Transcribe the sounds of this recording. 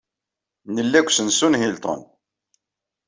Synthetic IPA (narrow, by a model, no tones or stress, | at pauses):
nəlːækʷːsənsunɦilt̪ˤo̰n